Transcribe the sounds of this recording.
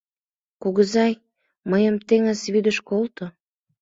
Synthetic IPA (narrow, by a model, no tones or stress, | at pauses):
kuɣəzɑj | məjəmt̪eŋəzβyd̪əʃkolt̪o